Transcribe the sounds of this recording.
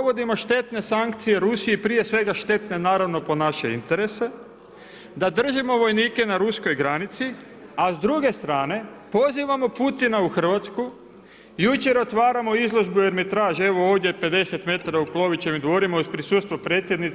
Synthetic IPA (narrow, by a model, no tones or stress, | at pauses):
oʋo̞d̪imo̞ʃt̪e̞t̪ne̞saŋkt̪sije̞ɾusijepɾije̞sʋe̞ɡaʃt̪e̞t̪ne̞naːɾaʋno̞po̞naʃe̞ḭnt̪e̞ɾe̞se̞ | d̪ad̪r̩ʒimo̞ʋo̞jniːke̞naɾusko̞jɡɾanit̪si | azd̪ɾuɡe̞st̪ɾaːne̞ | po̞ziʋamo̞put̪inauxr̩ʋat̪sku | jut͡ʃe̞ɾo̞t̪ʋaːɾamo̞izlˠo̞ʒbuje̞ɾmit̪ɾaːʒie̞ʋo̞oːʋd̪jepe̞d̪e̞set̪me̞t̪aɾauklˠo̞ʋit͡ʃemid̪ʋo̞ɾimoizpɾisuːt̪st̪ʋopɾe̞ːt̪sjed̪nit̪